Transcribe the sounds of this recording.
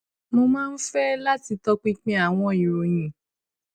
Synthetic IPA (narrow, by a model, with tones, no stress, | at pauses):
mo˧mãː˦˧n̩˦fɛ˦la˦ti˧tɔ˧k͡pi˦k͡pĩ˦a˨w̃ɔ̃˧i˨ɾo˨j̃ĩ˨